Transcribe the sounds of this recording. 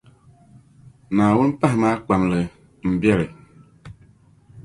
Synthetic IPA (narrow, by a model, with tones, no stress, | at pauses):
na˨wu˦n˦pa˦ɦma˦k͡pa˨mlɛ˨ | m̩˨bjɛ˦ɾɛ˨